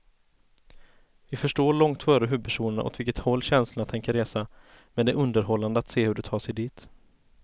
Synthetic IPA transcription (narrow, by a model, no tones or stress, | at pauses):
vɪfœʂʈoːɭɔŋt̪fœːɾəɦʉb̚pʰæʂuːnəɳa̰ʔɔ̰t̪vɪlkət̪hɔlːɕɛnsləɳat̪ʰɛŋkəɾeːsa | mɛd̪ɛʔɵnd̪əɾɦɔlːand̪əat̪seːhɵɖɛt̪ʰɑːʂɛjd̪iːt̪